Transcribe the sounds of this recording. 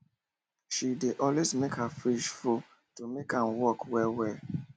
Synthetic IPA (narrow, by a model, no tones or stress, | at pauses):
ʃideʔɔlwezmekhəfɹiʃfu | tumekãmwɔkwɛwɛ